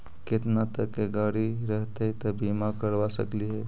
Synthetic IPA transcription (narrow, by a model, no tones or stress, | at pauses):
ket̪nat̪əkːeɡaːɽiɾəɦt̪eit̪əbimakəɾʋasə̰kliɦɛ